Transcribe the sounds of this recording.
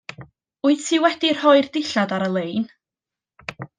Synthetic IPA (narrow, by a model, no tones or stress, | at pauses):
ʊɨðtʰiwɛdir̥hɔɨrd̥ɪɬadaɾəlˠejn